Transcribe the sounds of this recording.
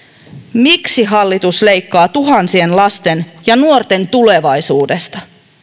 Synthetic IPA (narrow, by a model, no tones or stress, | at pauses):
miksiɦɑlːit̪usle̞jkːɑːt̪uɦɑnsie̞nlɑst̪e̞njɑnuo̞rt̪e̞nt̪ule̞ʋɑjsuːde̞st̪ɑ